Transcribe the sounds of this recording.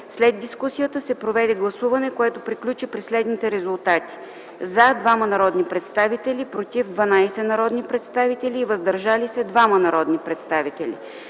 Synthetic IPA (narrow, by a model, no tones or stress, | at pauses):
slɛd̪̚d̪iskusijət̪əsɛpɾovɛd̪ɛɡlˠɐsuvɐnɛkoɛt̪opɾiklʲut͡ʃipɾislɛd̪nit̪ɛɾɛzulˠt̪at̪i̥ | zad̪vamɐnɐɾɔd̪nipɾɛt̪st̪avit̪ɛlipɾot̪ivd̪vɐnajsɛnɐɾɔd̪nipɾɛt̪st̪avit̪ɛlʲiːvəzd̪ɐɾʒalisɛd̪vamɐnɐɾɔd̪nipɾɛt̪st̪avit̪ɛlʲḭ